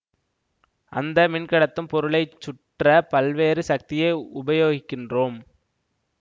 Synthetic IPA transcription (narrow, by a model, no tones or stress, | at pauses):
ʔɐ̰nd̪ɐmɪnkɐɽɐt̪ːɯmpɔɾɯɭɐɪt͡ʃːʊʈrɐpɐlʋeːɾɯsɐk̚t̪ɪjɐɪʊbɐjoːɣɪkːɪndroːm